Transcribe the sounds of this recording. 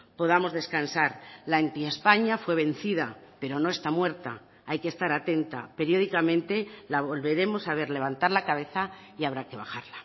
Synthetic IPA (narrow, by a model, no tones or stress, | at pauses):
po̞ð̞amo̞zðe̞skansaɾlaent̪iespaɲafwe̞β̞ẽ̞n̟θiðape̞ɾo̞no̞est̪amwe̞ɾt̪a̰ | ajke̞st̪aɾat̪e̞nt̪a̰pe̞ɾjo̞ðikamẽ̞nt̪e̞laβo̞lβe̞ɾe̞mo̞saβ̞e̞ɾle̞β̞ant̪aɾlakaβ̞e̞θa | iaβ̞ɾake̞βaxaɾla